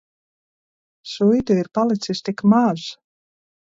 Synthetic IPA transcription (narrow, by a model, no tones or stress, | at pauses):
sujd̪ʲuiɾpalˠit̪sist̪ikmaʒ